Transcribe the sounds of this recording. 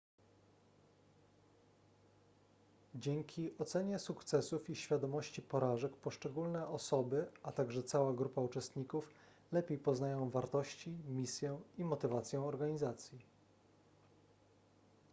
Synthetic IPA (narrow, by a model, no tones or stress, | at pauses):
d͡ʑɛŋkʲʰiʔɔt̪sɛɲɛsukt̪sɛsufiɕfʲjad̪ɔmɔɕt͡ɕipɔɾaʐɛkpɔʂt͡ʂɛɡulnɛʔɔsɔbɘat̪aɡʐɛt̪sawaɡɾupaut͡ʂɛst̪ɲikuf | lɛpʲjejpɔznajɔ̃w̃vaɾt̪ɔɕt͡ɕimʲisʲjɛimɔt̪ɘvat̪sʲjɛ̃ɔɾɡaɲizat̪sʲji